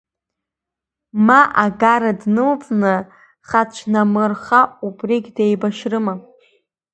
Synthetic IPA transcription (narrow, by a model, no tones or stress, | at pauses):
maʔaɡaɾadnɨlt͡sʼnɨ | χat͡ʃʷʰnamɨrχaubrikʲdejbaʃrɨma